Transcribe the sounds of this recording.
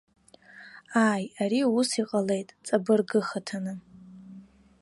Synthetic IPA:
aːjaɾiusiqʼale̞jtʼt͡sʼabɨrɡɨχatʰanɨ

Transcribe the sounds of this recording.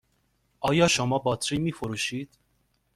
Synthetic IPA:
ʔɒːjɒːʃomɒːbɒːt̪ʰɾiːmiːfoɾuːʃiːd̪̥

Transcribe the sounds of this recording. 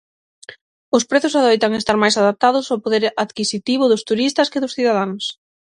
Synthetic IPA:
ʊspɾeθʊsaðojt̪aŋest̪aɾmajsaðap̚t̪aðʊsawpoðeɾaðkisit̪iβʊðʊst̪uɾist̪ɐskɪðʊsθiðaðaŋs

